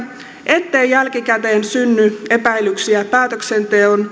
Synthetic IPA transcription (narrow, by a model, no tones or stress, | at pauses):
ʔe̞t̪ːe̞ːjjælk̟ikæt̪e̞ːnsynːye̞pæilyksiæpæːt̪øksent̪eon